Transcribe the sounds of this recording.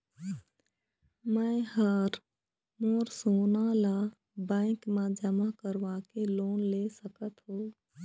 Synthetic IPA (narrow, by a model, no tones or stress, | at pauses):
mɛ̃həɾ | moːɾsoːnala | bɛ̃ːkmãd͡ʒəmakəɾʋakeloːnleːsəkət̪ɦoː